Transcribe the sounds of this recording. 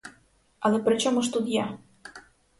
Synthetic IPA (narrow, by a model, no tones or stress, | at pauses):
ɑlepɾʲɪt͡ɕomɤʃt̪ud̪jɑ